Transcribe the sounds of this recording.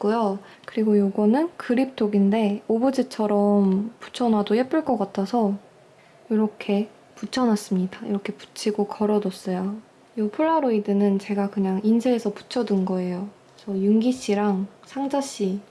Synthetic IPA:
k͈ujo | kɯɾiɡojoɡʌnɯnkɯɾip̚tʰoɡinde̞obud͡ʑit͡ɕʰʌɾʌmpu̥t͡ɕʰʌnwadojep͈uɭk͈ʌk͈atʰasʰʌ | joɾʌkʰe̞ | put͡ɕʰʌnas͈ɯmɲidaḭɾʌkʰe̞pu̥t͡ɕʰiɡokʰʌɾʌdʌs͈ʌjo | jopʰuɭːaɾoidɯnɯnt͡ɕe̞ɡakɯɲaŋinsʰeːsʰʌpu̥t͡ɕʰʌdɯnɡʌe̞jo | sʰʌjuŋɡiɕ͈iɾaŋsʰaŋd͡ʑaɕ͈i

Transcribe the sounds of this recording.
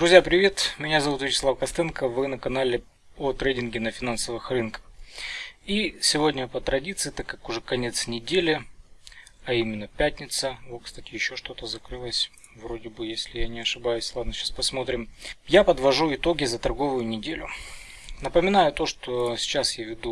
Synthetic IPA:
d̪ɾʊzʲjapɾʲɪvʲe̞t̪mʲɪnʲazɐvut̪vʲɪt͡ɕɪ̥slˠavkɐst̪ɛnkəvɨnəkɐnalʲɪ | ot̪ɾʲejtʲɪnɡʲɪnəfʲɪnansəvɨxrɨnkə̥x | isʲɪvo̞dʲnʲəpət̪ɾɐdʲit̪sɨɪt̪akːakʊʐɛkɐnʲe̞t̪snʲɪdʲelʲɪ | ɐimʲɪnːəpʲætʲnʲɪt̪səvot̪kst̪atʲɪjɪɕːo̞ʂt̪o̞t̪əzɐkɾɨlˠəsʲ | vɾo̞dʲɪbɨjesʲlʲɪjanʲɪɐʂɨbajʊsʲlˠad̪nəsʲɕaspɐsmo̞t̪ɾʲɪmjapəd̪vɐʐuɪt̪o̞ɡʲɪzət̪ɐrɡo̞vʊjʊnʲɪdʲelʲʊ | nəpəmʲɪnajʊt̪o̞ʂt̪osʲɪ̥t͡ɕasjavʲɪd̪u

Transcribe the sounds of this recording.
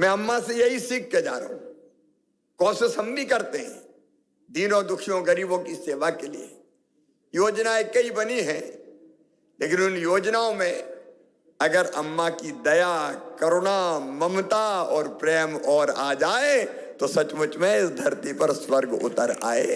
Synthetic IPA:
mɛ̃ɐmːasejɐɦisiːk̚ʰːed͡ʒaːɾḛɦũ | kɔ̃ːsesɐmnikɐɾt̪eɦɛ̰̃ː | d̪iːnɔːɾd̪ʊkʰijõɡɐɾiːbõkiseːʋakelḭḛ | joːd͡ʒnaekɐibɐniɦɛ̃ | leːkɪnʊnjoːd͡ʒnaõmẽ | ɐɡəɾɐmːakid̪ɐjakɐɾonamɐmt̪aɔːɾpɾɛːmɔːɾaːd͡ʒaːee | t̪osɐt͡ʃmʊt͡ʃmẽɪsd̪ʱɐɾt̪ipɐɾswɐɾɡʊ̰t̪əɾa̰ːḛː

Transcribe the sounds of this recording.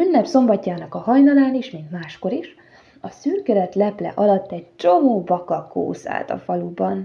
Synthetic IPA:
ynːɛpso̞mbɒcːaːnɒkɒɦɒjnɒlaːniʃmint̪maːʃko̞ɾiʃ | ɒsyrɡɛlɛt̪lɛplɛ̰ʔɒlɒt̪ːɛct͡ʃo̞moːbɒkɒko̰ːsa̰ːt̪ɒ̰fɒlubɒn

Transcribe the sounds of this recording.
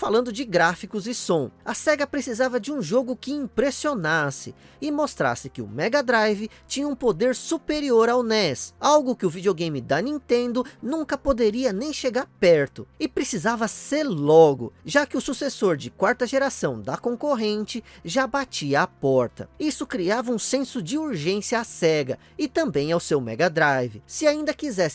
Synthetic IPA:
falɐ̃nd̪ʊd͡ʒɪɡɾafikʊzɪsõɐsɛɡɐpɾesizavɐd͡ʒɪũʒoɡʊkɪĩmpɾesionasɪ | ɪmost̪ɾa̰sɪkɪʊ̰mɛɡɐd̪ɾajvɪ | t͡ʃĩɲɐũpod̪eɾsupeɾioɾawnɛsawɡʊkɪʊvid͡ʒioɡẽj̃mɪd̪ɐnĩt̪ẽnd̪ʊnũkɐpod̪eɾiɐnẽj̃ʃeɡaɾpɛɾt̪ʊɪpɾesizavɐseɾlɔɡʊ̰ʒakɪʊsusesoɾd͡ʒɪkwaɾt̪ɐʒeɾasɐ̃w̃d̪ɐkõŋkoɦẽnt͡ʃɪʒabat͡ʃiɐːpɔɾt̪ɐ̰isʊkɾiavɐũsẽsʊd͡ʒɪuɾʒẽsjɐːsɛɡɐ | ɪt̪ɐ̃mbẽj̃awsewmɛ̰ɡɐd̪ɾajvɪsɪaĩnd̪ɐkizɛs

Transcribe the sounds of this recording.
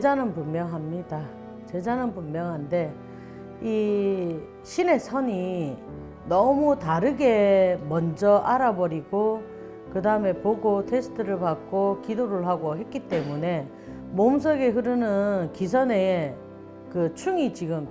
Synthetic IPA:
ed͡ʑanɯnpunmjʌŋɦamɲida | t͡ɕe̞d͡ʑanɯnpunmjʌŋɦande̞ | i | ɕʰine̞sʰʌɲi | nʌmutaɾɯɡe̞mʌnd͡ʑʌʔaɾabʌɾiɡo | kɯdaɯme̞poɡotʰe̞sʰɯ̥tʰɯɾɯɭpak͈̚okidoɾɯɭɦaɡoɦe̞t̚k͈it͈e̞mune̞ | moms̬ʰʌɡe̞ɦɯɾɯnɯnkis̬ʰʌne̞ | kɯt͡ɕʰuŋit͡ɕiɡɯm

